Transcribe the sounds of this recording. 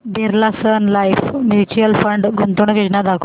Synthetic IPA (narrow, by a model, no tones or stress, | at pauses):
b̪iɾlasənlajfmjut͡ɕujəlfəɳɖɡunt̪uɳʋid͡ʑnad̪akʰu